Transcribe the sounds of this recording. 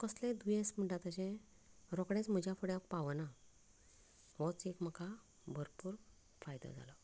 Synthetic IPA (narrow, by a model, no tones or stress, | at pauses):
kəslẽd̪ujẽsm̤əɳʈat̪at͡ɕɛ̃ | ɾɔkɽẽt͡sm̤əd͡ʑafəɽjãkpaʋəna | ʋɔt͡sekm̤əka | bʱəɾpuːɾ | fajd̪a̰d͡zʱa̰lɔ